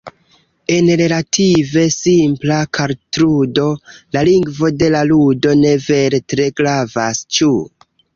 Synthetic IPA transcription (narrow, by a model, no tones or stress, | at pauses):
e̞nɾe̞latʰive̞simplakaɾtɾudo̞laliŋɡvo̞de̞laludo̞ne̞ve̞ɾetɾe̞ɡɾavast͡ʃu